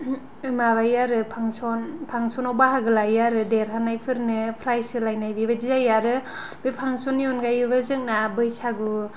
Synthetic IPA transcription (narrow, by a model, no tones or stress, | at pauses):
ɯmaβajaɾɯpʰaŋsɔnpʰaŋsɔnawbaɦaɡɯlajaɾɯdeɾɦanajpʰɯɾnɯpʰɾajsɯlajnajbibadizajaɾɯ | bipʰaŋsɔnjɔnɡajɯbazɯŋ̚nabɯjsaɡu